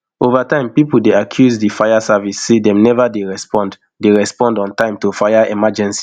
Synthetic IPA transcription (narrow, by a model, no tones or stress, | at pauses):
ovatãɪ̃mpipul̩deakʰjuzdifajasavisːedɛ̃mnɛvadeɹɛspɔ̃nd | deɹɛspɔ̃ndɔ̃ntãɪ̃mtofajaɛmad͡ʒɛ̃nsi̥